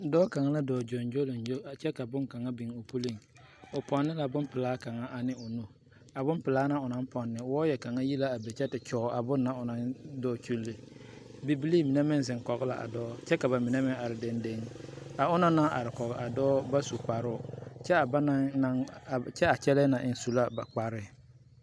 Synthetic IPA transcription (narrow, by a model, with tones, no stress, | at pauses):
dɔː˦ka˨ŋa˦la˦dɔː˨d͡ʒɔ˨nd͡ʒo˦lo˨nd͡ʒo˦˨t͡ʃɛ˦ka˨bʊ˦ŋka˨ŋa˦bi˨ŋʊ˨pu˦li˦˨ŋ | ʊ˨pɔ˨nːɪ˦la˨bʊ˦m˦pɪ˨laː˨˦ka˨ŋa˦ʔa˨nɪ˦ʊ˨nu˦ | a˨bʊ˦mpɪ˨laː˦na˦ʊ˨na˦n˦pɔ˨nːɪ˦wɔː˦jɛ˨ka˨ŋa˦ji˦la˦a˨be˨t͡ʃɛ˦tɪ˨t͡ʃɔː˨˦a˨bʊ˦nːa˦ʊ˨na˦ndɔː˦˨t͡ʃu˦lːi˨bi˨bi˦li˦mi˨nɛ˦mɪ˦n˨zɪ˨ŋkɔ˨ɣɪ˦la˨ʔa̰˨dɔː˦t͡ʃɛ˦ka˨ba˨mɪ˨nɛ˦mɪ˦a˨ɾɪ˨de˦nde˦ŋa˨ʊ˦na˦na˦ʔa̰˨ɾɪ˨kɔ˨ɣɪ˨ʔa˨dɔː˦ba˦su˨k͡pa˨ɾʊ˦˨t͡ʃɛ˦˨ba˦na˦na˦˨t͡ʃɛ˦a˨t͡ʃɛ˦lɛ˦na˨ʔɪ˨n˦su˨la˦ba˨k͡pa˨ɾɪ˦˨